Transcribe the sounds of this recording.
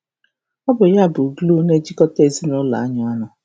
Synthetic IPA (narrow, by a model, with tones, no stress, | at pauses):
ɔ˦bʊ˨ja˦˨bʊ˨ɡlu˦ne˦d͡ʒi˦kɔ˦te˦˨zi˦nʊ˦la̰˨a˦ɲɔ˨˦a˦nʊ˨